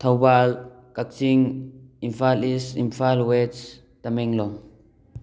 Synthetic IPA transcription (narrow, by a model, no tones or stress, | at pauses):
t̪ʰawbal | kak̚siŋimfalisimfalwɛt͡s | t̪amɛŋlɔm